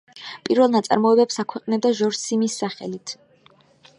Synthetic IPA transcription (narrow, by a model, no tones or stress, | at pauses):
pʼiɾvɛlˠnat̪sʼa̰ɾmɔɛbɛpsakʰwɛqʼnɛb̚d̪aʒɔɾsimisːaχɛ̰lit̪ʰ